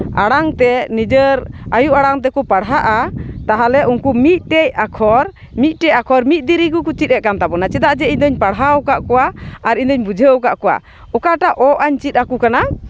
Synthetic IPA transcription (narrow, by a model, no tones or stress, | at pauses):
a̰ɽaŋt̪ɛnid͡ʒəɾajuʔaɽaŋt̪ɛkɔpaɽɦaʔat̪aɦalɛʔunkumit̪̚ˀʈɛjakʰɔɾ | mit̪̚ˀʈɛjakʰɔɾmit̪̚ˀd̪iɾikukut͡ʃit̪̚ɛʔkant̪abɔnat͡ʃɛd̪aʔd͡ʒɛiɲd̪ɔɲpaɽɦawkaʔkɔwaːɾiɲd̪ɔɲbud͡ʒʱewkaʔkɔwa̰ | ɔkaʈaʔɔʔaɲt͡ʃit̪̚akukana